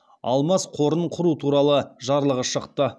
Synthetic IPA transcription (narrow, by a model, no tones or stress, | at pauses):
ɑ̰lˠmɑsqʰo̞ɾəɴqʰʊɾut̪ʰuɾɑlˠəʒɑɾlˠəʁəʃəqt̪ə